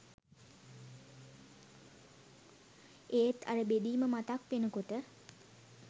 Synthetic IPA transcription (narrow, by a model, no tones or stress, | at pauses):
et̪ʰaɾəbed̪iːməmat̪akʋenəkoʈə